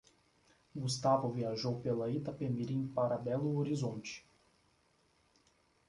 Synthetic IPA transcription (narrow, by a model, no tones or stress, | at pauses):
ɡust̪avʊviaʒowpelɐit̪ɐpemiɾĩpaɾɐbɛlʊoɾizõnt͡ʃɪ̥